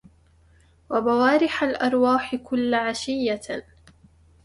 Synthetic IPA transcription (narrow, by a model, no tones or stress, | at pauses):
wabawaːɾɪħalʔɑɾˤwaːħɪkʊlːʕaʃɪjːa